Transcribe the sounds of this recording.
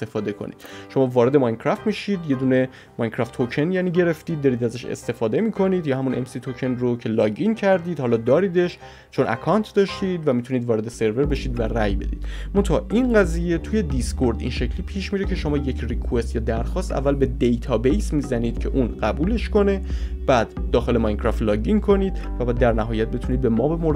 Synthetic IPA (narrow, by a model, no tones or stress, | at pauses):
st̪efɒːd̪e̞kʰo̰nḭd̪̥ʃo̞mɒːvɒːɾe̞d̪e̞mɒjnkʰɾæft̪miːʃiːd̪je̞d̪uːne̞ | mɒjnkʰɾæft̪ʰocʰe̞njæniːɟe̞ɾe̞ft̪iːd̪ːɒːɾiːd̪æzæʃḛst̪e̞fɒːd̪e̞miːkʰo̞niːd̪jɒːhæmunʔe̞̰msit̪ʰocʰe̞nrocʰe̞lɒːɟincʰæɾd̪iːd̪hɒːlɒːd̪ɒːɾiːd̪e̞ʃ | t͡ʃʰo̞næ̰kʰɒnt̪ʰd̪ɒːʃt̪id̪væmit̪ʰuniːd̪vɒːɾe̞d̪e̞se̞ɾve̞ɾbe̞ʃiːd̪væræjbe̞̰d̪iːd̪mo̞nt̪ʰɒʔinɢæziːje̞t̪ʰuje̞d̪iskʰo̞ɾd̪ḭnʃecʰliːpʰiːʃmiːɾecʰe̞ʃo̞mɒːje̞cʰrikʰue̞st̪jɒːd̪æɾxɒːst̪æ̰vːælbe̞d̪ejt̪ʰɒːbejsmiːzæniːd̪̥cʰe̞ʔuːnɢæbuːle̞ʃko̞ne̞b̥æːd̪ːɒːxe̞le̞mɒjnkʰɾɒft̪lɒːɟiŋkʰo̞niːd̪̥ | væbæːd̪ːæɾnæɦɒːjæt̪̚bet̪ʰuniːd̪bemɒːbemoɾ